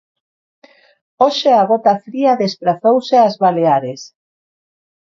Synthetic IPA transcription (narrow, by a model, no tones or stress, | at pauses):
oʃeaɣɔt̪afɾiaðespɾaθowseazβaleaɾes